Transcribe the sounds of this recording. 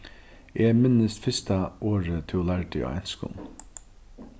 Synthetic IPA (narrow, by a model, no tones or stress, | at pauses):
eːmɪnəst̪fɪst̪aʔoːɹət̪ʰɪlæɹɖɪo̰ːʔæ̰nskʊ̰n